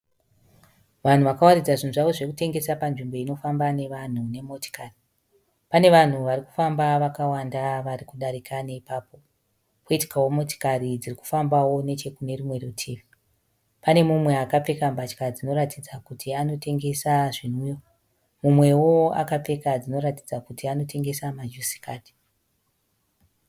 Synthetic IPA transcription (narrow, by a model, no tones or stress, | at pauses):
ʋan̤uʋakawarid͡zaʐin̤uʐaʋo̞ʐe̞kute̞ŋɡe̞sapanʐimbo̞ino̞fambane̞ʋan̤une̞mo̞ti̥kari | pane̞ʋan̤uʋaɾiku̥fambaʋakawandaʋarikuɗaɾikanaipaːpo̞ | koiti̥kawo̞mo̞ti̥karid͡ziriku̥fambawo̞ne̞t͡ʃe̞kune̞rimwe̞retʰevi | pane̞mumwe̞akap͡fe̞kambat͡ʃkad͡zino̞ɾatid͡zakutiano̞te̞ŋɡe̞saʐin̤ujo | mumwe̞wo̞a̰kap͡fe̞kad͡zino̞ɾatid͡zakutiano̞tʰe̞ŋɡe̞samad͡ʒusi̥kaːdi̥